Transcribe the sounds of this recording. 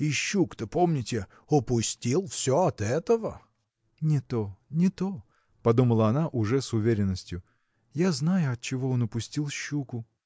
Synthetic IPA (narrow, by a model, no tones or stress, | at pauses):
ɪɕːukt̪əpo̞mnʲɪtʲɪ | ʊpʊsʲtʲilˠfsʲoɐt̪ɛt̪əvə̰ | nʲɪt̪onʲɪt̪o | pɐd̪uməlˠəɐnaʔʊʐɛsʊvʲeɾʲɪnːəsʲtʲjʊ | jaznajʊɐt̪̚t͡ɕɪvo̞onʊpʊsʲtʲilˠɕːukʊ